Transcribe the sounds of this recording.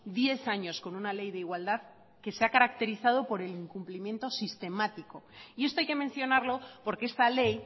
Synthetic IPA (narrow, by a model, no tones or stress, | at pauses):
d̪je̞θaɲo̞sko̞nunale̞jðe̞iɣwald̪að | ke̞seakaɾakt̪e̞ɾiθað̞o̞po̞ɾe̞liŋkumplimjẽ̞nt̪o̞sist̪e̞mat̪iko̞ie̞st̪o̞ajke̞me̞nθjo̞naɾlo̞po̞ɾkee̞st̪ale̞j